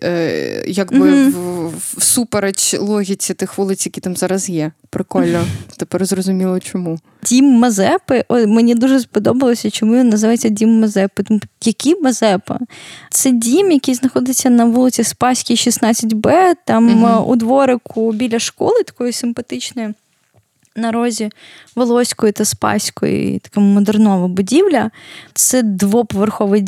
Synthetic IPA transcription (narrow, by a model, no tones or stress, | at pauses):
jɐɡbɪ | supeɾɐt͡ʃʲlˠɔɦʲit͡sʲit̪ɪxʋulˠɪsʲjɐkʲit̪amzɑɾɐzjɛpɾɪkɔlʲnɔt̪ɛpɛrzrɔzʊmʲilˠɐt͡ʃɔmu | dʲimːɐzɛpɪʔɔmenʲid̪uʒɛspɔd̪ɔbɐlˠɔsʲɐt͡ʃɪmujʲinnːɐzɨʋajet͡sʲːɐdʲimːɐzɛpɨjɐkʲimɐzɛpɐ̰t̪sɛdʲimjɐkijznɐxɔd̪ɪt͡sʲːɐnɐʋulˠɪt͡sʲsʲispɑsʲkʲiʃisnɑt͡sʲɐtʲbɛt̪ɑmṵd̪ʋɔɾɪkʊbʲilʲɐʃkɔlˠɪt̪ɐ̥kɔjʊsɪmpɐt̪ɪt͡ʃnɔji | nɐɾɔzʲi | ʋɔlˠɔsʲkɔjit̪ɐspɑ̰sʲkɔ̰jḭt̪ɐ̥kamɔd̪ɛrnɔʋɐbʊdʲiʋlʲɐt̪sɛd̪ʋɔpɔʋerxɔʋɪ